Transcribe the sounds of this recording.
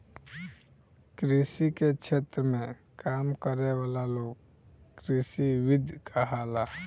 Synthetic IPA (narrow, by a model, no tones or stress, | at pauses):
kɾisiket͡ʃʰeːt̪ɾəmẽ | kaːmkəɾewaːlaloːɡ | kɾisiʋɪd̪ʱjkʰaɦaːlaː